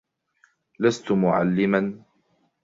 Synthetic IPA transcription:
last̪mʊʕa̰lːɪman

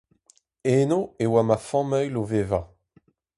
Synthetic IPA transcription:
eːnoewamafɑ̃mœjlovevã

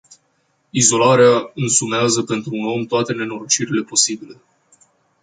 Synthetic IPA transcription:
izo̞laɾeaɨnsumeazəpe̞nt̪ɾuːno̞mt̪oat̪e̞ne̞no̞ɾot͡ʃiɾile̞po̞sibile̞

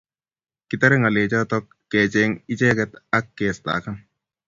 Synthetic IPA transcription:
kit̪aɾɛŋalet͡ʃɔt̪ɔkːɛt͡ʃɛŋit͡ʃɛːkɛt̪akːɛːst̪a̰kan

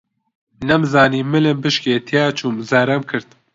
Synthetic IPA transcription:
nɛmzaːniːmɨlembɨʃkeːt̪ʰijaːt͡ʃʰuːmzɐɾɐmkʰɨɾt̪̚

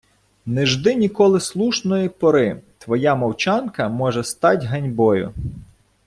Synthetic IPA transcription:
nɛʒd̪ɪnʲikɔlˠɪslˠuʃnɔjipɔɾɪt̪ʋɔjɑmɔwt͡ʃɑnkɐmɔʒɛst̪ɑtʲɦɐnʲbɔjʊ̰

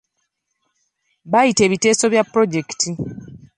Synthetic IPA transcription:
βajite̞ːβite̞ːso̞βjapːɾo̞ɟe̞kti

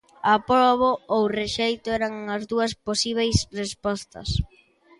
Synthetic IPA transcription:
apɾɔβoowreʃejt̪oɛɾaŋɐzðuɐsposiβ̞ejsrespɔst̪ɐ̰s

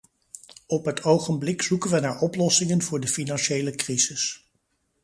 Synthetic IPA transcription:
ɔpɦətʰowχənblɪksukənʋənaːɹɔplɔsɪŋənvʊːɹdəfinɑnʃejləkrizɪs

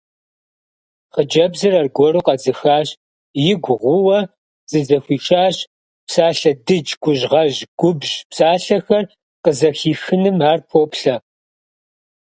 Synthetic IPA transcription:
χəd͡ʒɐbzɨrɐrɡʷɔɾuːqɐd͡zɨxaːʑ | jɪɡʷʊʁʷʊwɐ | z̥ɨzɐxʷiːʈ͡ʂʰʼaːɕ | psaːɬɐdɨd͡ʒɡʷʊʑʁɐʒɡ̥ʷʊbʒpsaːɬɐxɐr | qəzɐxiːxɨnɨmaːrpʰoːpɬɐ

